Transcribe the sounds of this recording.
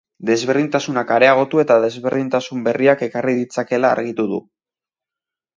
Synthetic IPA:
d̪e̞zβe̞ɾðint̪asunakaɾe̞aɣ̞o̞t̪ue̞t̪aðe̞zβe̞ɾð̞int̪asumbe̞riake̞kariðit͡sake̞la̰ːɾɣit̪uðṵ

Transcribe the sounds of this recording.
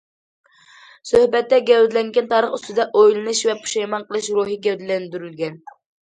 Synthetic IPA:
søhbɛt̪ːɛɡʲɛwd̪ɪlɛŋɡʲɛnt̪ʰɑːɾəχyst̪ɨd̪ɛʔojlˠɨnɨʃvɛpʰu̥ʃɛjmɑnqʰəlˠɨʃɾuɦiɡʲɛwd̪ɪlɛnd̪yɾylɡʲɛn

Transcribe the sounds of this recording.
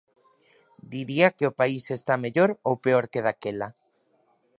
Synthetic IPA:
d̪iɾiakeopaisest̪ameʎoɾowpeoɾkeð̞akela

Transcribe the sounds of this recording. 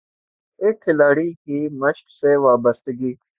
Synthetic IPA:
eːkʰːɪlaːɽiːkiməʃkseʋaːbəst̪ɡiː

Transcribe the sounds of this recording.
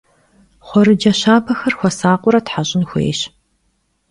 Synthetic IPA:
χʷɔɾɨd͡ʒɐɕaːpʰɐxɐrxʷɔsaːqʷʼʊɾɐtħaɕʼɪnxʷḛːɕ

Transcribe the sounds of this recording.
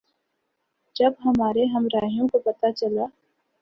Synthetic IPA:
d͡ʒɐbɦɐmaːɾeɦɐmɾaːɦijõkopɐt̪at͡ʃɐlaː

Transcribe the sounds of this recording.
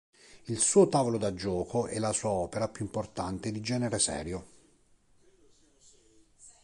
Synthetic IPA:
ilsuːot̪aːvolod̪ad͡ʒːɔːkʰoʔɛlːasuːaɔːpeɾapjuimport̪ant̪ed̪id͡ʒɛːneɾesɛ̰ːɾjo

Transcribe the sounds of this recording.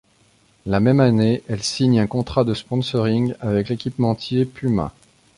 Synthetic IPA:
lamɛmaneʔɛlsiɲɛ̃kɔ̃t̪χad̪əspɔ̃sɔʁiŋɡavɛklekʲipmɑ̃t̪jepymɛ̰̃

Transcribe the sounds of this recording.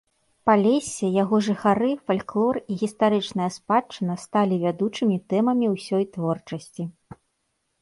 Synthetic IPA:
palʲɛsʲɛjaɣɔʐɨxaɾɨfalʲklˠɔriɣʲist̪aɾɨt͡ʂnɐjɐspat͡ʂːɨnɐst̪alʲivʲad̪ut͡ʂɨmʲit̪ɛmɐmʲiwsʲɔjt̪vɔrt͡ʂɐsʲt͡sʲi

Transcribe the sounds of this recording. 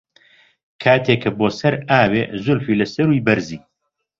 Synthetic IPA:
kʰaːt̪ʰeːkʰːɐboːsɐɾaːbeːzʊlfiːlɐsɐɾujbɐɾziː

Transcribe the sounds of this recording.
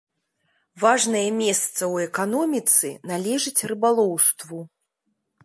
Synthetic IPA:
vaʐnɐjɛmʲɛst̪sɐwɛkan̪ɔmʲit̪sɨnalʲɛʐɨt͡sʲrɨbalˠɔwst̪vu

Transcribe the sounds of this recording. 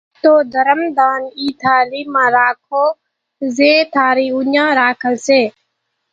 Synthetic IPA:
t̪oːd̪ʱəɾəmd̪aːniːt̪ʰaːliːmãːɾaːkʰoː | zeːt̪ʰaːɾiːʊɲãːɾaːkʰəlseː

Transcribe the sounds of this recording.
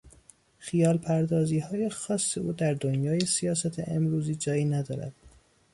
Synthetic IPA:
xijɒːlpʰæɾd̪ɒːziːhɒːje̞xɒːsːeʔuːd̪æɾd̪onjɒːjesijɒːsæt̪ʰḛʔemɾuːziːd͡ʒɒːjiːnæd̪ɒ̰ːɾæ̰d̪̥

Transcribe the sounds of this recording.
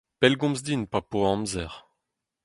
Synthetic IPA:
pɛlɡɔ̃mzd̪inpapoɑ̃mzɛʁ

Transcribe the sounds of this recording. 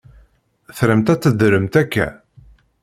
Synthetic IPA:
θɾəmt̪æt͡sːəd̪ɾəmt̪ækːæ̰

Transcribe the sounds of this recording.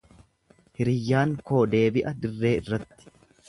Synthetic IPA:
hɪɾɪjːaːŋko̞ːd̪e̞ːbɪʔɐd̪ɪrːe̞ːɪrːɐt̪ːɪ̥

